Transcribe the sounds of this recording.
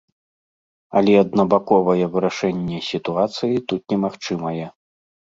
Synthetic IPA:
ɐ̰lʲɛɐd̪̚nɐbakɔvɐjɛvɨɾaʂɛnʲːɛsʲit̪uat̪sɨjit̪ut̪nʲɛmaxt͡ʂɨmɐjɛ

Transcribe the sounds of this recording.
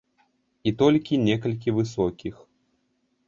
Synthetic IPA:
it̪ɔlʲkʲinʲɛkɐlʲk̬ʲivɨsɔkʲix

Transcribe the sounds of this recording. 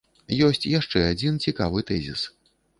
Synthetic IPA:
jɔsʲt͡sʲjaʂt͡ʂɛad͡zʲint͡sʲikavɨt̪ɛzʲḭs

